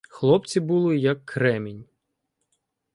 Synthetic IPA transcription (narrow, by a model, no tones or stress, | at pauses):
xlˠɔp̚t͡sʲibulˠɪjɐkːɾɛminʲ